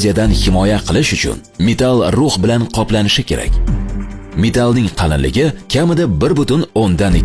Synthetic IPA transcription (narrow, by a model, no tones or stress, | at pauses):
zʲijad̪anhɪmɒjaqʰɨlˠɪʃʊt͡ʃʰʊ̰n | me̞t̪ʰalˠɾʊhbɪlanqʰɒplanɪʃɪkʲe̞ɾa̰kʲ | me̞t̪ʰalˠnɪŋqʰɑlɪ̰nlɪ̰ɡʲɪkʲʰamɪd̪abɪɾbʊt̪ʊnond̪ane